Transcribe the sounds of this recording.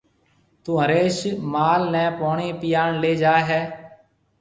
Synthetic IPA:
t̪ũːɦəɾeːʃmaːlnɛ̃ːpoːɳiːpɪjaːɳleːd͡ʒaːɦɛː

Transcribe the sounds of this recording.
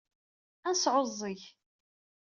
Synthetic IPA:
ænsʕozˤːəç

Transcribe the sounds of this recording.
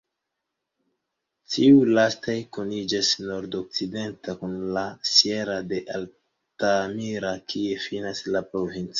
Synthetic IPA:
tiulastajkonid͡ʒasno̞ɾdok̚t͡side̞ntakunlasje̞ɾade̞ʔal | tamiɾakʰie̞finaslapɾo̞vint͡s

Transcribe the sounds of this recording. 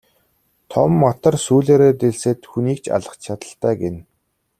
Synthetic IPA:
t̪ʰɔ̰mːɔt̪ɞ̆rsuːɮeːɾeːt̪eɮsĕːt̪xuniːk̚t͡ɕʰa̰ɮə̆χt͡ɕt͡ɕʰat̪ə̆ɬt̪æːɡen

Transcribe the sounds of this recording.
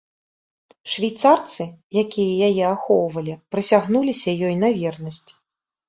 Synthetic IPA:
ʂvʲijt̪sart̪sɨjakʲijɐjajɛaxɔwvɐlʲipɾɨsʲaɣnulʲisʲɐjɔjnɐvʲɛrnɐsʲt͡sʲ

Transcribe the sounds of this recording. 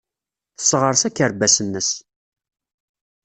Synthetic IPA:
θə̥sːʁəɾsækːəɾbæsənːəs

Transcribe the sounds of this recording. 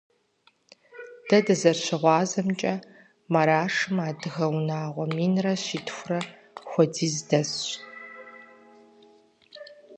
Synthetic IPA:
d̥ɐdɨzɐrɕɪʁʷɑːzɐmt͡ʃʼɐ | mɐɾaːʂɨmaːdɨɣɐwnaːʁʷɔmiːnrɐɕiːtʰxʷʊrɐ | xʷɔdiːzdɐs

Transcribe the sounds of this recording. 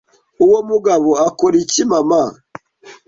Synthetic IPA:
uwomuɡaβoakoɾicimama

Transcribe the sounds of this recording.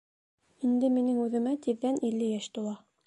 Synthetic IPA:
ind̪ɘminɘŋʉðɘ̆mæt̪iðːænilːɘjæʃt̪ulˠɑ

